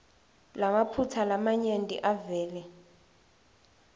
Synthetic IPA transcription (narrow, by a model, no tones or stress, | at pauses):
lamapʰutʰalamaɲentʼḭʔavɛːlɛ